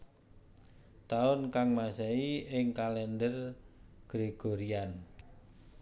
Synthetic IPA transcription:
t̪aʊnkaŋmasɛiɪŋkalɛndərɡ̥ɾeɡ̥oɾian

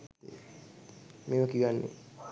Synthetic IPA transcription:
meməkiʋanːḛ

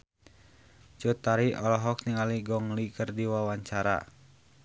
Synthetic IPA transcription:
t͡ʃut̪aɾiʔɔlɔɦɔk̚niŋaliɡɔŋlikərdiwawaɲt͡ʃaɾa̰

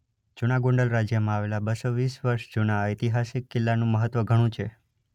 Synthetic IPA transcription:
d͡ʒunaɡõɳɖəlɾad͡ʒjəmãaʋelabəsoʋisʋəɾʃd͡ʒunaəjt̪iɦasikːɪlːanũməɦət̪ʋəɡʱəɽ̃ũt͡ʃʰe

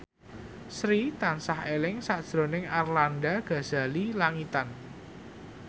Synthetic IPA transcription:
sɾit̪ansahelɪŋsaʔd̥ʒ̥ɾo̤nɪŋarlandaɡ̥ä̤z̥a̤lilaŋit̪an

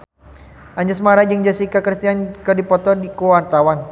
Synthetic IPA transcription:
ʔaɲd͡ʒəsmaɾad͡ʒəŋd͡ʒasikakɾist̪iankərdipɔt̪ɔdikuwart̪awan

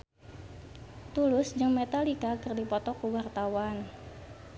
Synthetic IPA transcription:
t̪ulʊsd͡ʒəŋmet̪alikakɨrdipɔt̪ɔkuwart̪awan

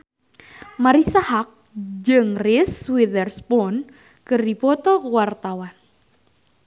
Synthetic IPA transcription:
maɾisahak̚d͡ʒɨŋrɪswidərspɔn | kɨrdipɔt̪ɔlkəwart̪awan

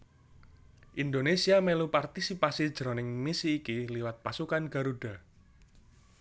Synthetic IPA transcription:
ʔind̪onesiamelupart̪isipasid̥ʒ̥ɾonɪŋmisiːkiliwat̪̚pasukanɡ̥a̤ɾuɖ̥a̤

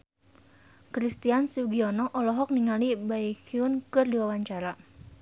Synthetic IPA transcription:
kɾist̪iansuɡiɔnɔʔɔlɔɦɔk̚niŋalibaikiʊnkɨrdiwawaɲt͡ʃaɾa

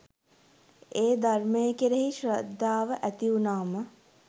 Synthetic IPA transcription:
eːd̪armejəkeɾeɦiʃɾəd̪ʱːaːʋəʔæt̪iunaːmə

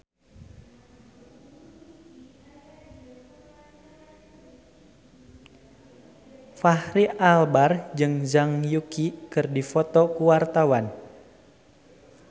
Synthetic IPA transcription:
fahɾiʔalbard͡ʒɨŋzaŋjukikɨrdifɔt̪ɔkuwart̪awan

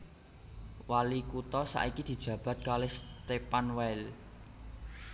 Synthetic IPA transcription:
walikut̪ɔsa̰ʔikid̪̥i̤d̥ʒ̥ä̤b̥ä̤t̪̚kalɪhst̪epanwɛl

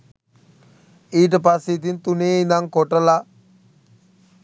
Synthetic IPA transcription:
iːʈ̬əp̬asit̪int̪uneːind̪aŋkoʈəla

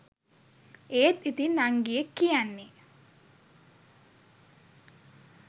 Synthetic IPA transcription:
eːt̪it̪inːaŋɡijekːijanːe

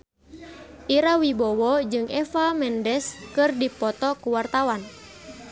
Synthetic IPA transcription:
ʔiɾawibɔwɔd͡ʒɨŋɛfamɛndɛskɨrdipɔt̪ɔkuwart̪awan

